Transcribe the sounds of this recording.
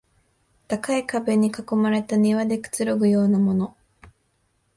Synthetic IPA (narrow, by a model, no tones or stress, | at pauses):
t̪akaikabe̞ɲ̟ːikako̞maɾe̞t̪aɲ̟iβad̪e̞kɯ̥t͡sɨɾo̞ɡɯ̟jo̞ːnamo̞no̞